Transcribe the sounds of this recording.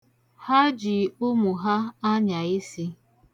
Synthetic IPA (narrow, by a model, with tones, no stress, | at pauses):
ha˦d͡ʒi˨ʊ˦mʊ˨ɦa˦a˦ɲa˨i˦si˦